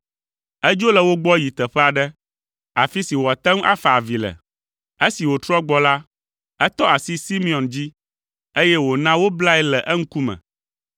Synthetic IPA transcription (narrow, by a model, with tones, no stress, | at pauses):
ɛ˦d͡ʒo˦lɛ˨wo˦ɡ͡bɔ˦ji˨t̪ɛ˨ɸɛ˦a˨ɖɛ˦ | a˨fi˦si˨wɔ˨a˨t̪ɛ˦ŋ̃˦ʔa̰˦fa˨a˨vi˨lɛ̰˨ | e˦si˨wo˨t̪ɾɔ˦ɡ͡bɔ˦la˦ | ɛ˦t̪ɔ˦a˨si˦si˦mĩ˨ɔ˨nd͡ʑi˦ | e˦jɛ˦wo˨nã˦wo˦bla˦ɛ˦lɛ˨ʔɛ˦ŋ̩˦ku˦mɛ̰̃˨